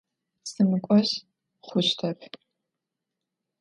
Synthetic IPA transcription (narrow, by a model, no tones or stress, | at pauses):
sɨmɨkʷʼɔɕ | χʷʊɕtʰɐpʰ